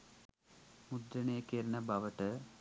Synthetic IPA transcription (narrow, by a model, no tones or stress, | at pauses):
mud̪ɾɐneːkːeːɾɐnɐbʱɐʋɐʈːɨ